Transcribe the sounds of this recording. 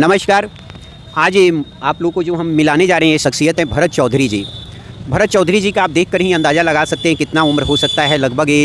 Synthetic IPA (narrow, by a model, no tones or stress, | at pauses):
nɐməʃkaːɾ | aːd͡ʒeaːploːɡ̚kod͡ʒoːɦɐmːɪlaːned͡ʒaːɾəɦeɛ̃eʃɐksijət̪ɦɛ̃bʱɐɾət̪̚t͡ʃɔːd̪ʱɾid͡ʒiː | bʱɐɾət̪̚t͡ʃɔːd̪ʱɾid͡ʒiːkaaːp̚d̪eːkʰːəɾɦĩɐ̃nd̪aːzalɐɡaːsɐk̚t̪eɦɛ̃kɪt̪naʊmɾɦosɐk̚t̪aɦɛlɐɡbʱəɡeː